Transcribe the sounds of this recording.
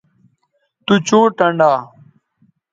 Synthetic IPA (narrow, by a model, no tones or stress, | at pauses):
t̪ut͡ɕõːʈɐɳɖaː